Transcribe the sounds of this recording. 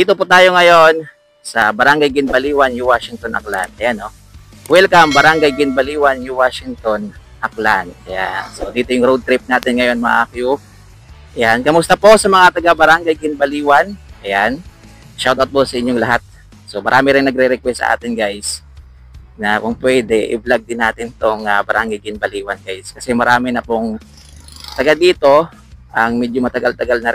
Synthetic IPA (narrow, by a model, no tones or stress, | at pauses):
d̪iːt̪opʊt̪aːjo̞ŋɐjon | sɐbɐɾaŋɡɐjɡɪnbɐliːwɐnjuwaʃɪŋt̪onʔɐ̰kla̰nd̪̚ʔɐjano | wɛlkaʔɐŋbɐɾaŋɡajɡɪnbɐliːwɐnjʊwaːʃɪŋt̪o̞n | ʔɐkland̪̚kɐja̰sod̪iːt̪ojʊŋɾowd̪̚t̪ɾɪp̚naːt̪ɪnŋɐjo̞nmɐ̰ʔa̰ːkju | ʔɐjankɐmʊst̪ɐpo̞sɐmɐŋat̪ɐɡabɐɾaŋɡajɡɪnbɐliːwɐnʔɐjan | ʃawt̪awt̪̚posɐʔɪɲːoŋlɐɦat̪̚ | somɐɾʔaːmɪɾɪŋnɐɡ̚ɾɛɾɛkwɛst̪sɐ̰ʔa̰ːt̪ɪnɡajs | nɐkʊŋpwɛːd̪ɛʔɪ̰blaɡ̚d̪ɪnːaːt̪ɪnt̪oŋabɐɾʔaŋɡɐjɡɪnɐbɐliːwɐnɡajskɐsɛmɐɾaːmɪnɐpoŋ | t̪ɐɡald̪iːt̪o̞ | ʔɐŋmɛd͡ʒomɐt̪ɐɡalt̪ɐɡalnɐɾ